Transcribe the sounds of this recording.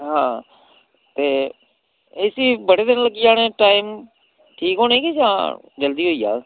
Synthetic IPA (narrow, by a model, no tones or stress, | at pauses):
ɦãː | t̪eː | esiːbəɽeːd̪ɪnləɡiːaːneːʈaːiːm | ʈʰiːkɦoːnẽːkid͡ʒãː | d͡ʒəld̪iːɦoːiːa̰ː